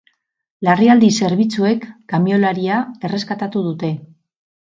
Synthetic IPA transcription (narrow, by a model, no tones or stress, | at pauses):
lariald̪ise̞ɾβ̞it͡sue̞kːamio̞laɾiae̞re̞skat̪at̪uðut̪e̞